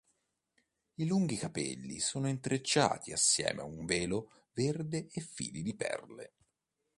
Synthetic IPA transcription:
iluŋɡikapɛ̰lːḭsoːnoint̪ɾet͡ʃːa̰ːt̪ʰiasːjɛ̰ːmʔeauɱvɛːlo | verd̪eefːḭːlid̪ipɛ̰rlḛ

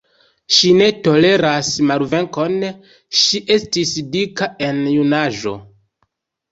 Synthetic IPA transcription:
ʃine̞to̞le̞ɾasmalve̞ŋko̞n | ʃiʔe̞stisdikae̞njunaʒo̞̰

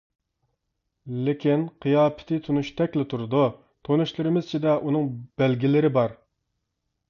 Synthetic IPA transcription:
lɪkʲʰinqʰijɑːpʰɪ̥t̪ʰɪt̪ʰunuʃt̪ʰɛkʲlɪt̪ʰuɾd̪u | t̪ʰonuʃlˠɨɾɨmɪzt͡ʃʰid̪ɛʔunɨŋb̥ɛlɡʲilɪɾɪbɑɾ

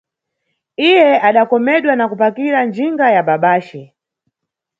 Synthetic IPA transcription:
ijɛaɗakɔmɛɗwanakupakiɾand͡ʒiŋɡajaɓaɓaːʃɛ

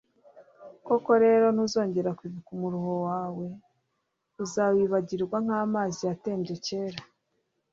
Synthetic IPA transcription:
ko̞ko̞ɾe̞ːɾo̞nuzo̞ːɲɟe̞ɾakwiːβikumuɾuho̞waːwe̞ | uzawiβaɟiɾɡwaŋ̥aːmaːzijate̞ːmbɟo̞ce̞ːɾa

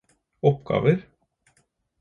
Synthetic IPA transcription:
ɔpɡ̥ɑ̰ːʋəɾ

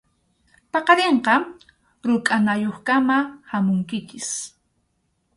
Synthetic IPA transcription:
pɑqɑɾeɴqɑ | ɾʊkʼanajoχkamahamʊŋkɪt͡ʃɪs

